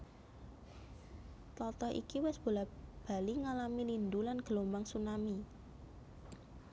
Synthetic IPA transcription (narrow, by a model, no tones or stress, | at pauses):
t̪ɔt̪ɔʔḭkiwɛsb̥o̤lab̥a̤liŋalamilind̪ulanɡ̥əlombaŋsunami